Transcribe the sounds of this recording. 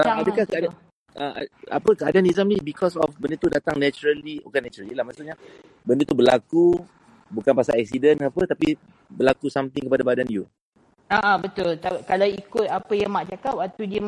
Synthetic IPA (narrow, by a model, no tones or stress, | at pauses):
əadəkakəad | əa̰a̰pəkəadanizamnibikʰɔsɔfbəndət̪udat̪aŋnɛt͡ʃuɾəlio̰kanɛt͡ʃuɾalijəlahmasuʔɲa | bəndət̪ubəla̰ku | bukanpasalɛk̚sidənapət̪api | bəlakusamt̪ɪŋkəpadabadanju | aʔãbət̪ʊlt̪akalawikʊt̪̚apəjaŋmaʔt͡ʃakapat̪udiə